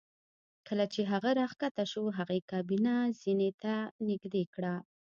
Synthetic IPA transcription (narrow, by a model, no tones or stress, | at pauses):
kəlat͡ʃeɦaɣaɾɑxkat̪aʃuɦaɣekɑbinazinet̪anɪɡd̪ekɽa